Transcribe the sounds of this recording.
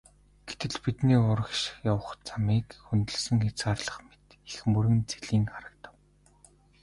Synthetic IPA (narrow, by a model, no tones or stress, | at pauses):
ɡ̥et̪ɘ̆ɮpit̪niːʊɾə̆kʃjawə̆χt͡samiːkxunt̪ɘ̆ɮsə̆ŋxet͡sɢaːrɮə̆χmet̪ | ixmɵɾɣɘ̆nt͡seɮiːŋχaɾə̆k̚t̪ə̥̆w